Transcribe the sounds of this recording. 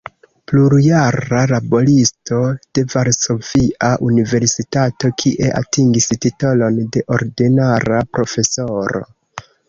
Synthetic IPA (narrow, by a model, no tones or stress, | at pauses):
pluɾjaɾalabo̞listo̞d̥e̞vaɾso̞viʔaʔunive̞ɾsitato̞kʰiʔe̞ʔa̰tiŋɡistitolo̞nde̞ʔo̞ɾdinaɾapɾo̞fe̞so̞ɾo̞̰